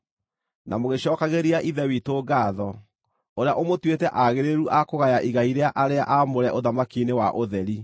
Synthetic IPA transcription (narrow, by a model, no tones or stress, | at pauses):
na̰moɣeɕɔːkaɣeɾiaʔiðɛwitoːɡaːðɔ | oɾeaʔomotwetɛʔaɣeɾeɾuʔakoɣajaʔiɣaiɾeaʔaɾeaʔamoɾɛʔoðamakinewaʔoðɛɾi